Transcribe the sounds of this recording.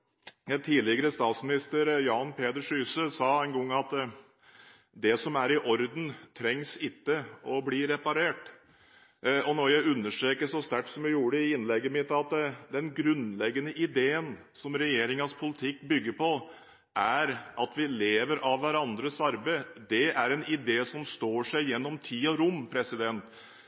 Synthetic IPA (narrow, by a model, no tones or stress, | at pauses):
t̪ʰiːlɪɡəɾəst̪ɑːt̪smɪnɪst̪əɾjɑːnpʰeːd̪əɾʂyːsəsɑɛɪnɡɔŋːɑt̪ | d̪ɛsɔmæɾɪʔɔɾd̪n̩t̪ʰɾɛŋsɪt̪ːəɔbliːɾɛpɑɾeːʈ | ɔnɔɾjæɪʉnːəʂʈɾeːkəʂɔst̪æʈːsɔmjæjuːɽəɪɪnːlɛɡːəmɪt̪ɑt̪d̪ɛnɡɾʉnlɛɡənəʔɪd̪eːən | sɔmɾɛjeːɾɪŋɑspʰʊlɪt̪ʰɪkːbʏɡːəɾpʰɔ | ʔæɾʔɑt̪ʋɪleːʋəɾʔɑʋʋæɾɑnd̪ɾəsɑɾbəɪd̪ɛæɾɛnɪd̪eːsɔmst̪oːʂæɪjɛnːɔmt̪ʰiːɔɾʊmːpʰɾɛsɪd̪ɛnt̪